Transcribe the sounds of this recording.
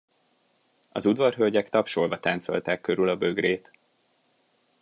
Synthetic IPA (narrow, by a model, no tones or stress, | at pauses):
ɒ̰zud̪vɒrɦølɟɛkt̪ɒpʃolvɒt̪aːnt̪so̞̰lt̪aːkːøɾylɒbø̞ɡreːt̪